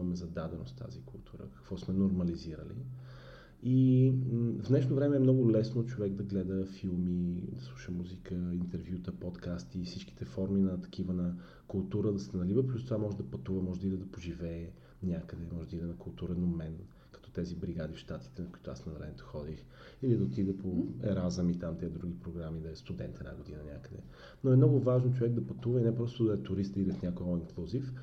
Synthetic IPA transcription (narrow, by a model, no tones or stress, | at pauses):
ɐmɛzɐd̪ad̪ɛno̰st̪ʰa̰zikʊlˠt̪ʰuɾə̰kɐ̥kv̥ɔsmɛnoɾmɐliziɾə̰lḭ | i | vnɛʃnovɾɛmɛɛmnɔɡʊlɛsnot͡ʃovɛɡd̪ɐɡlɛd̪əfilˠmid̪ɐslˠuʃəmuzikəint̪ɛɾvjut̪əpɔt̪kast̪ifsit͡ʃki̥t̪ɛfɔɾminɐt̪ɐ̥k̟ʰivənɐ | kʊlˠt̪uɾəd̪ɐsɛɛnɐlivəplʲust̪ovamɔʒɛd̪ɐpɐt̪uvəmɔʒɛd̪id̪ɛd̪ɐpoʒivɛː | nʲakəd̪ɛmɔʒɛd̪id̪ɛnɐkʊlˠt̪uɾɛnomɛn | kɐ̥t̪ɔt̪ɛzibɾiɡad̪ifʃt̪at̪i̥t̪ɛnɐkʊi̥t̪oasnɐvɾɛɛt̪o̥xɔd̪ix | ilid̪ɐot̪id̪ɛpoɛ̰ɾazəmit̪amt̪ɛd̪ɾuɡipɾoɡɾamid̪ɐɛst̪ud̪ɛnt̪ɛna̰ɡod̪inənʲakəd̪ɛ̰ | noɛmnɔɡʊvaʒnot͡ʃovɛɡ̚d̪ɐpɐt̪uvəinɛpɾɔst̪ʊd̪ɐɛt̪ʊɾist̪id̪ɛfnʲakojɔiŋklˠuzif